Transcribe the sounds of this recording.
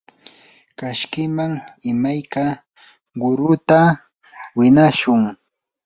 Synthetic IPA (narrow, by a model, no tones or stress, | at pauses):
kaʃkɪmaŋɪmajka | ɢʊɾʊt̪a | wɪnaʃʊŋ